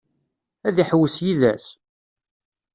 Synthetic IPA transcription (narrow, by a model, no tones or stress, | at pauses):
æðiħwːəsjiðæs